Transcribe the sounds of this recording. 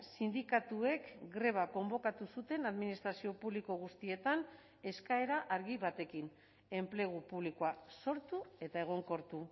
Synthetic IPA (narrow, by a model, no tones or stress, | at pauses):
sind̪ikat̪ue̞kɡɾe̞β̞ako̞mbo̞kat̪usut̪e̞naðminist̪ɾasio̞puβliko̞ɣ̞ust̪ie̞t̪an | e̞skae̞ɾaʔaɾɣiβat̪e̞kin | e̞mple̞ɣ̞upuβlikoaso̞ɾt̪ue̞t̪ae̞ɣ̞o̞ŋko̞ɾt̪u